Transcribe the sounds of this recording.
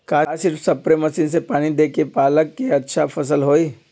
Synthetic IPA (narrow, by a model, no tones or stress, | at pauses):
kaːsɪɾfsɐpɾemɐsiːnsepaːɽ̃id̪eːkepaːləkːeɐtːʃʰafʰɐs̬əlɦoːiː